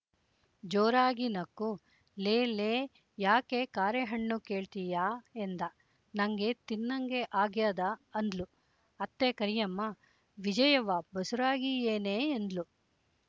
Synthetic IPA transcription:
d͡ʒoːɾaːɡinɐkːu | leːleː | jaːke̞kaːɾjɐɦɐɳːuke̞ːɭt̪ijaːend̪ɐ | nɐŋɡe̞t̪inːɐŋɡe̞ʔaːɡjaːd̪ɐɐnd̪lu | ɐt̪ːekɐɾijɐmːɐ | ʋid͡ʒɐjɐʋɐbɐsuɾaːɡieːneːnd̪lu

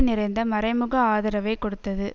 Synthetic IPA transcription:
nɪɾɐɪnd̪ɐmɐɾɐɪmɯɣɐaːðɐɾɐʋɐɪkɔɽɯt̪ːɐðɯ

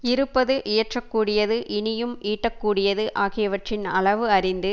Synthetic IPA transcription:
ɪɾɯpːɐðɯʔɪjɐʈrɐkːuːɽɪjɐðɯʔɪnɪjɯmiːʈːɐkːuːɽɪjɐðɯʔaːɣɪjɐʋɐʈrɪnɐɭɐʋɯɐɾɪnd̪ɯ

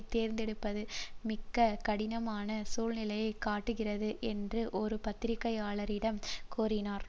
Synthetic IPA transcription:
t̪eːɾnd̪ɛɽɯpːɐðɯmɪkːɐkɐɽɪnɐmaːnɐsuːlnɪlɐjɐɪkːaːʈːɯɣɪrɐðɯʔɛndrɯʔɔɾɯpɐt̪ːɪɾɪkːɐɪaːɭɐɾɪɽɐmkuːɾɪnaːɾ

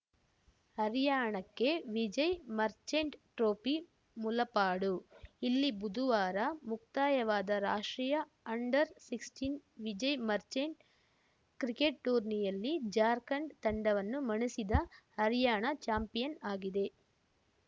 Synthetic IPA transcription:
hɐɾijaːɳɐkːe̞ʋid͡ʒɐjmɐɾt͡ʃeɳʈʈɾoːpi | mulɐpaːɽuilːibud̪uʋaːɾɐmuk̚t̪aːjɐʋaːd̪ɐɾaːʂʈɾijɐ | ɐɳɖɐɾsiksʈinʋid͡ʒɐjmɐɾt͡ʃeɳ | kɾikeʈʈuːɾnijɐlːid͡ʒaːɾkɐɳɖt̪ɐɳɖɐʋɐnːumɐɳisid̪ɐhɐɾjaːɳɐt͡ʃaːmpijɐnaːɡid̪e̞

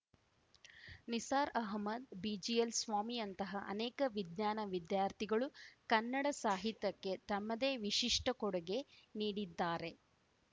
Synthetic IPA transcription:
nisaːɾɐɦmɐd̪̚biːd͡ʒiɐlsʋaːmijɐnt̪ɐɦɐʔɐ̰neːkɐʋid̪ɲaːnɐʋid̪jaːɾt̪ʰiɡɐɭukɐnːɐɽɐsaːɦit̪jɐkːe̞t̪ɐmːɐd̪e̞ːʋiʂiʂʈɐkɔɽɐɡe̞niːɽid̪ːaːɾe̞

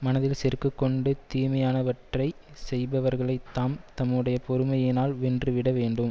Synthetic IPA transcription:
mɐnɐðɪlsɛɾkːɯkːɔɳɖɯt̪iːmɐjaːnɐʋɐʈrɐɪ | sɛjbɐʋɐɾɣɐɭɐɪt̪ːaːmt̪ɐmːɯɽɐjɐpɔɾɯmɐjɪnaːlʋɛndrɯʋɪɽɐʋeːɳɖɯm

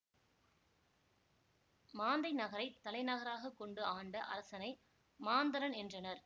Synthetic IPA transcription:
maːnd̪ɐɪnɐɣɐɾɐɪt̪ːɐlɐɪnɐɣɐɾaːɣɐkːɔɳɖɯaːɳɖɐʔɐ̰ɾɐsɐnɐɪ | maːnd̪ɐɾɐnɛndrɐnɐɾ

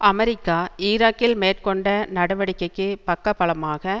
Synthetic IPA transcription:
ɐmɛɾɪkːaːiːɾaːkːɪlmeːrkɔɳɖɐnɐɽɐʋɐɽɪkːɐɪkːɯpɐkːɐpːɐɭɐmaːɣɐ

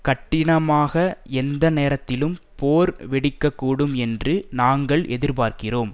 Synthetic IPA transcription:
kɐʈːɪɳɐmaːɣɐɛnd̪ɐneːɾɐt̪ːɪlɯm | poːɾʋɪɽɪkːɐkːuːɽɯmɛndrɯnaːŋɡɐɭʔɛðɪɾpaːɾkɪroːm

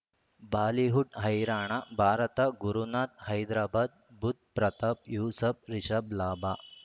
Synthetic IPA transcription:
baːliɦuʈɦɐjɾaːɳɐbʱaːɾɐt̪ɐɡuɾunaːt̪̚hɐjd̪ɾaːbaːd̪̚but̪̚pɾɐt̪ɐpjuːsɐpɾiʃɐblaːbʱaː

